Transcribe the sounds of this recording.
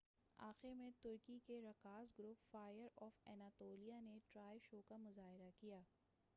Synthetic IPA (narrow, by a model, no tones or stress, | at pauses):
a̰ːxɪɾmẽt̪ʊɾkikeɾɐkaːzɡɾʊpfaːjəɾɔːfɛːnaːt̪oːlijaneʈɾaːjʃoːkamʊzaːɦɪɾakijaː